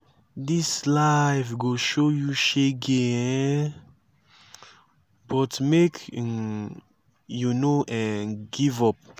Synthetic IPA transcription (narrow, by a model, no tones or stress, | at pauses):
dislaɪvɡoʃojuʃeɡeɛ | bɔtmekʰ | junoʔɛ̃nɡivɔp̚